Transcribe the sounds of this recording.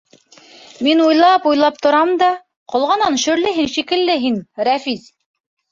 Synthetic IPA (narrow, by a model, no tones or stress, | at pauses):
minujlˠɑpujlˠɑp̚t̪ŏɾɑmd̪ɑ | qŏlˠʁɑnɑnʃɵ̆ɾlɘɦinʃikɘ̆lːɘɦinɾæfiz